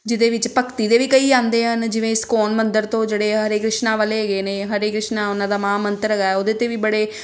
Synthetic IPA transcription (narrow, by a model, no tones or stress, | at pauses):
d͡ʒɪd̪eːʋɪt͡ʃpəkt̪iːd̪eːʋiːkəiːãːnd̪eːɦənd͡ʒɪʋẽːɪskɔːnmənd̪əɾt̪õːd͡ʒeːɽeːɦəɾeːkɾɪʃnaːʋəːleːɦɡeːneːɦəɾeːkɾɪʃnãːʊnãːd̪aːmãːmənt̪əɾəɡaːɛːoːd̪eːt̪eːʋiːbəɽeː